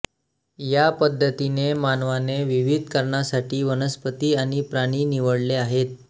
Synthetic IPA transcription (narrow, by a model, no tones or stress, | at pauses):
japəd̪ʱːət̪inemanʋaneʋiʋid̪ʱkəɾɳasaʈiːʋənəspət̪iːaɽ̃ipɾaɽ̃iːniʋəɽleaɦet̪̚